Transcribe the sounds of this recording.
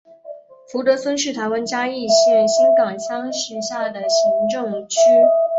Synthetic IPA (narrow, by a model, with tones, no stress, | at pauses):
fu˧˥t̪ɤ˧˥swə˥nʂɻ̩˥˩t̪ʰa˧˥ɪwa˥nt͡ɕja˥i˥˧ɕɛ˥˩nɕi˥nkɑ˨˩ŋɕjɑ˥ŋɕɛ˧˥ɕja˥˩d̪ə˩ɕi˧˥ŋʈ͡ʂɤ˥˩ŋt͡ɕʰy˥